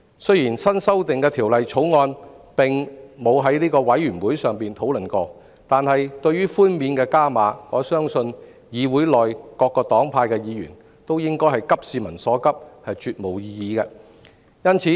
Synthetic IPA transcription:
sɵ˥jiː˨˩nsɐ˥nsɐ˥wt̪ɪ˨ŋkɛː˧t̪ʰiː˨˩wlɐ˨jt͡sʰo˨˥wŋɔː˧npɪ˨˩ŋmo˨˧wɦɐ˨˥jliː˥kɔː˧wɐ˨˥jːyː˨˩nwuː˨˥jsœː˨ŋpiː˨nt̪ʰo˨˥wlɵ˨˩nkɔː˧ | t̪aː˨nhɐ˨jt̪ɵ˧ɥyː˥fuː˥nmiː˨˧nkɛː˧kaː˥maː˨˥kɔː˨˥sœː˥ŋsɵ˧n | jiː˨˧wuː˨˥jlɔː˨jkɔː˧kːɔː˧t̪ɔː˨˥ŋpʰaː˧jkɛː˧jiː˨˧jy̰ː˨˩n | t̪o˥wjɪ˥ŋkɔː˥jɦɐ˨˩jkɐ˥p̚siː˨˧mɐ˨˩nsɔː˨˥kɐ˥p̚hɐ˨jt͡ʃyː˨˧t̚mo˨˩wjiː˧jiː˨˧kɛ˧ | jɐ˥nt͡sʰiː˨˥

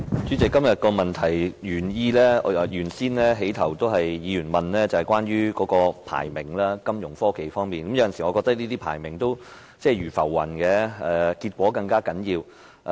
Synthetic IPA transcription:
t͡ʃyː˨˥t͡sɪ˨kːɐ˥mjɐ˨t̚kɔː˧mɐ˨nt̪ʰɐ˨˩jɥyː˨˩njiː˧lɛː˥˨jyː˨˩nsiː˥nlɛː˥ɦe˨˥jt̪ʰɐ˨˩wt̪o˥wɦɐ˨jːiː˨˧jyː˨˩nmɐ˨nlɛː˥t͡sɐ˨˩hɐ˨jkʷaː˥nɥyː˥kɔː˨˧˥kɔː˧pʰa̰ː˨˩jmɪ˨˩ŋlaː˥kɐ˥mjʊ˨˩ŋfɔː˥ke˨˩jfɔː˥ŋmiː˨nkɐ˨˦mjɐ˨˧˥jɐ˨˩nsiː˨˩ŋɔ˨˧kɔ˧k̚t̪ɐ˥k̚liː˥t̪iː˥pʰa̰ː˨˩jmɪ˨˩ŋt̪o˥w | t͡sɛː˥˩ɥyː˨˩fɐ̰˨˩wːɐ̰˨˩nkɛː˧ɛ˨kiː˧t̚kʷɔː˨˥kɐ˧ŋkaː˥kɐ˨˥njiː˧w

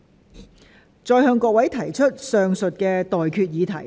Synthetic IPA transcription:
t͡sɔː˧jɦœː˧ŋkɔː˧kwɐ˨˥jt̪ʰɐ˨˩jt͡ʃʰɵ˥t̚sœː˨ŋsɵ˨t̚kɛː˧t̪ɔː˨jkʰyː˧t̚jiː˨˧t̪ʰɐ˨˩j

